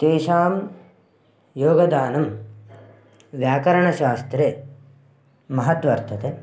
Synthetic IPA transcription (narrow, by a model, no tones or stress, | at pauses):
t̪eːʃaːm | joːɡɐd̪aːnɐm | ʋjaːkɐɾɐɳɐʃaːst̪ɾeː | mɐɦɐt̪ʋɐɾt̪ʰɐt̪ʰe